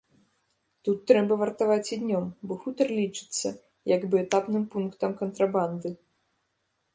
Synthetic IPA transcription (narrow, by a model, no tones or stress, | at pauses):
t̪ut̪ːɾɛbɐvɐrt̪avat͡sʲid̪ʲnʲɔmbɔxut̪ɐrlʲit͡ʂɨ̥t̪sːɐ | jɐɡbɨɛt̪apnɨmpunkt̪ɐmkɐnt̪ɾaband̪ɨ